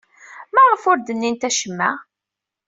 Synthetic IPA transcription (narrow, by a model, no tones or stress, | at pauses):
mæʁəfʊɾd̪ənːint̪æʃəmːæ